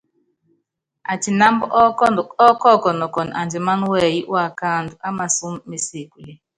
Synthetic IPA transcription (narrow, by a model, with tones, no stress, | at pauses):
a˨t͡ʃi˨na˦mbɔ˦˨ɔ˦kɔ˦˨kɔ˨nɔ˨kɔ˨na̰˨nd͡ʒɛ˨ma˦nwɛ˦˨ji˦ʔwa˨ka˦˨ndu˨ʔa˦ma˨su˦mːe˨se˨ku˨li˦